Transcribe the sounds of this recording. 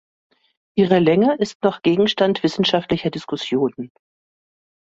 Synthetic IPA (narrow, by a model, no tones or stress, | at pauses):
ʔiːʁəlɛŋəʔɪstnɔχɡ̥eːɡŋ̩ʃtantv̥ɪsn̩ʃaftlɪçɐdɪskʊsjoːnən